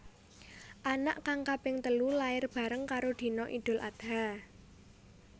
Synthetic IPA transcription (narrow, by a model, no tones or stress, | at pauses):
ʔana̰ʔkaŋkapɪŋt̪əlulaɪrb̥a̤ɾəŋkaɾod̪̥i̤nɔʔid̪̥ʊ̤lʔa̰d̪̥a